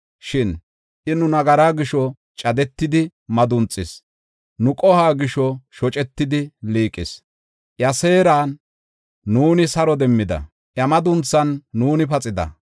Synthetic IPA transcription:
ʃɪn | ʔɪnʊnɐɡɐɾaːɡɪʃɔ | t͡ʃʼɐd̪ɛt̪ːɪd̪ɪmɐd̪ʊnt͡sʼːɪs | nʊkʼɔhaːɡɪʃɔʃɔt͡ʃʼɛt̪ːɪd̪ɪliːkʼːɪs | ʔjɐse̞ːɾaːnː | uːnɪsɐɾɔd̪ɛmːɪd̪ɐ̰ | ʔjɐmɐd̪ʊnt͡sːɐnːuːnɪpɐt͡sʼɪd̪ɐ̰

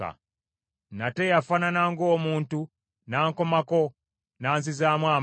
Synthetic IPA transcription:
a̰ | nate̞jafananaŋɡo̞ːmuːntu | naːŋkomako̞ | naːnzizaːmwaː

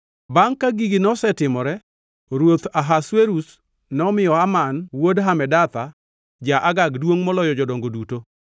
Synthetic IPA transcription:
baŋkaɡiɡinɔsɛtɪmɔɾɛ | ɾwot̪aɦasweɾus | nɔmɪjɔamanwodɦamɛdat̪a | d͡ʒaʔaɡaɡdwoŋmɔlɔjɔd͡ʒɔdoŋɡoduto

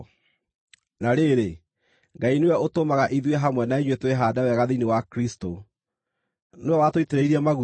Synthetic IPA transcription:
naɾeɾe | ŋɡainejaotomaɣaʔiðweɦamwɛnaeɲwetweɦaːdawɛɣaðinewakɾisto | noawatoiteɾeiɾiamaɣu

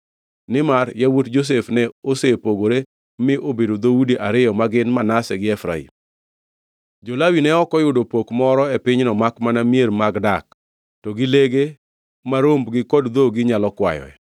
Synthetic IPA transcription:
nɪmaɾjawutd͡ʒos̬efnɛosepoɡoɾe | mɪʔobedod̪oudiʔaɾɪɔmaɡɪnmanasɛɡɪɛfɾa̰ḭm | d͡ʒolawinɛɔkɔjʊdopokmɔɾɔɛpɪɲnɔmakmanamijeɾmaɡdak̚ | tɔɡɪleɡe | maɾombɡɪkɔdd̪oɡɪɲalɔkwa̰jɔ̰ɛ̰

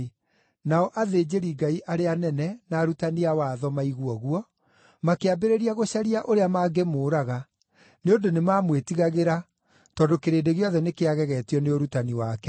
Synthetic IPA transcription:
naɔʔaðeːd͡ʑeɾiɡaiʔaɾeanɛnɛnaːɾutaniawaðɔmaiɣwɔɣuɔ | makeabeɾeɾiaɣoɕaɾiaʔoɾeamaːɡemoːɾaɣa | neondonemaːmwetiɣaɣeɾa | tɔːdokeɾeːdeɣeɔðɛnekeaɣɛɣɛtiɔneoɾutaniwaːkɛ

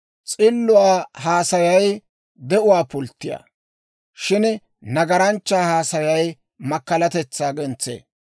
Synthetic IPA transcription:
t͡sʼɪlːʊwaːɦaːsɐjɐj | d̪ɛʔʊwaːpʊlt̪ːɪja̰ː | ʃɪn | nɐɡɐɾɐnt͡ʃːaːhaːsɐjɐj | mɐkːɐlɐt̪ɛt͡sːaːɡɛnt͡sːḛː

